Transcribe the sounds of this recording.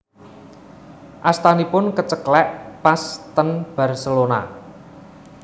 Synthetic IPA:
ʔast̪anipʊnkət͡ʃəklɛʔpast̪ənb̥a̤rsəlona̰

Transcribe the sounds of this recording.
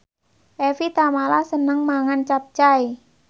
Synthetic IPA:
ʔefit̪amalasənəŋmaŋant͡ʃap̚t͡ʃai

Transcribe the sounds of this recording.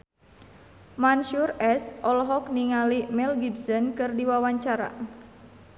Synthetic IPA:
manʃurɛsɔlɔɦɔk̚niŋalimɛlɡibsɔnkɨrdiwawaɲt͡ʃaɾa̰

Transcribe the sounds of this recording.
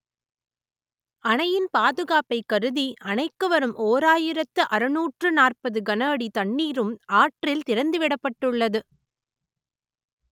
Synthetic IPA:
ɐɳɐjɪnpaːðɯɣaːpɐɪkːɐɾɯðiʔɐnɐɪkːɯʋɐɾɯmʔoːɾaːjɪɾɐt̪ːɯʔɐɾɯnuːʈrɯnaːrpɐðɯɡɐnaːɽit̪ɐɳːiːɾɯmaːʈrɪlt̪ɪɾɐnd̪ɯʋɪɽɐpːɐʈːɯɭːɐðɯ

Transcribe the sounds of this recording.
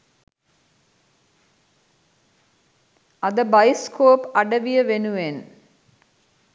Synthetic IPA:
ɐd̪əbɐjiskoːpɐɖəʋijəʋenuʋen

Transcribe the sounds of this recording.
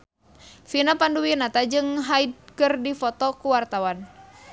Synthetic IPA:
finapanduwinat̪ad͡ʒɨŋɦaid̚kɨrdifɔt̪ɔkuwart̪awan

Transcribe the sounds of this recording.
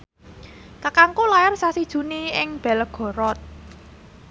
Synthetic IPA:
kakaŋkolajarsasid̥ʒ̥ṳniɪŋb̥ɛ̤lɡ̥ɔ̤ɾɔt̪̚

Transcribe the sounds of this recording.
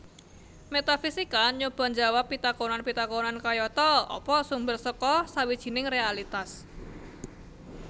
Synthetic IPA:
met̪afisikaɲob̥a̤nd͡ʒa̤wapːit̪akonanpit̪akonankajɔt̪ɔɔ̰pɔsumbərsəkɔsawid̥ʒ̥i̤nɪŋrealit̪as

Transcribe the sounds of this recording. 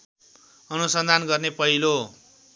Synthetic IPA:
ʌnusʌnd̪ʱanɡʌrnepʌɦilo

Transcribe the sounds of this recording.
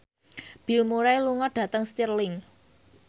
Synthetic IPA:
b̥i̤lmuɾajluŋɔɖ̥ä̤t̪əŋst̪irlɪŋ

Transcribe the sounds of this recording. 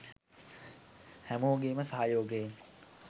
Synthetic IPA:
hɛmoːɡeːməsɐɦaːjoːɡen

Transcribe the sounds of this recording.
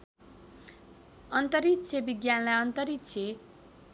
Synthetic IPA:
ʌnt̪ʌɾit̪sʰebiɡjanlaʌnt̪ʌɾit̪t͡sʰe

